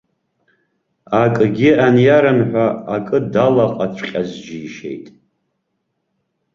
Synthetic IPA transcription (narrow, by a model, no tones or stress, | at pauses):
akʼɡʲianjaɾɨnħʷaakʼɨdalaqʼat͡ɕʷʰqʲʼazd͡ʒiːʃe̞̰jtʼ